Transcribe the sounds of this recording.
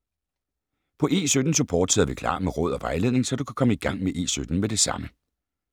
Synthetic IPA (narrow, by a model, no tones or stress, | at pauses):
pʰɒ̽ʔe̝ːsød̥n̩subʰɒ̰ːd̥seð̰ˠɐʋikʰl̥ɑ̰̈ːmeʁɔ̽ːð̞̰ˠɒʋɑ̈ɪle̝ð̰ˠne̝ŋsɒd̥ukʰæ̥kʰɒ̽məiɡ̥ɑ̈ŋ̰meʔe̝̰ːsød̥n̩med̥e̝sɑ̈mə